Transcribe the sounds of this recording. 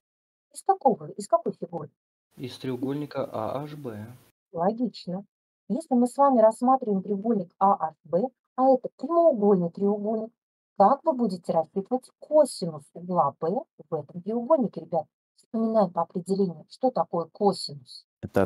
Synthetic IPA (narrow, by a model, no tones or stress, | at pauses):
ɪsk̪akovəɪskɐkojfʲɪɡuɾɪ | ɪst̪ɾʲɪʊɡo̞lʲnʲɪkəʔa̰a̰ʐbɛ | lˠɐɡʲit͡ɕnə | jesʲlʲɪmɨsvamʲɪɾɐsːmat̪ɾʲɪvəɪmt̪ɾʲɪʊɡo̞lʲnʲɪkaʔaʂbɛ | ɐɛt̪əp̪ɾʲɪməʊɡo̞lʲnɨjt̪ɾʲɪʊɡo̞lʲnʲɪk | kakvɨbudʲɪtʲɪɾɐspʲit̪əvətʲkʰosʲɪnʊsɡlˠapɛvɛt̪əmt̪ɾʲɪʊɡo̞lʲnʲɪkʲɪɾʲɪbʲat̪̚ | fspəmʲɪnajɪpəɐpɾʲɪdʲɪlʲenʲɪjʊʂt̪o̞t̪ɐko̞jəkosʲɪnʊs | ɛt̪ə